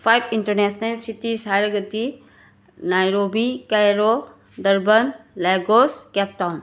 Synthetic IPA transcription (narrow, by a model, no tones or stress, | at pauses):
pʰajbinʈəɾnɛsnɐlsit̪isajɾɐɡət̪i | najɾobikajɾo | d̪ɐɾbənleɡoskɛp̚tawn